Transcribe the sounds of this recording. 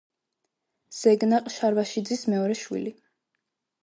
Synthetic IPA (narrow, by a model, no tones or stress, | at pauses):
z̥ɛɡnaqʼʃaɾvaʃid̪zismɛɔɾɛʃwḭli